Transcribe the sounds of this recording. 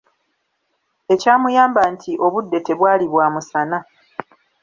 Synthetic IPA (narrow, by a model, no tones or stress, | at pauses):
e̞caːmujaːmbantʰiʔo̞βudːe̞te̞βwaːliβwaːmusana